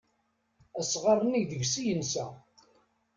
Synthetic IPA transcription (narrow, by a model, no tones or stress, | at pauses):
æsʁɑrˤːəniʝðəʝsijənsæ